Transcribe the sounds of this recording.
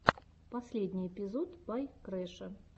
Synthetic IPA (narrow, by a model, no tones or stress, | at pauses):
pɐsʲlʲed̪ʲnʲijpʲɪzot̪bajkɾɛʂɨ